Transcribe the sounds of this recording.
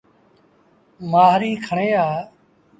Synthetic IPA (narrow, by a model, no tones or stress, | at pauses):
maːɦɾiːkʰəɳeːaː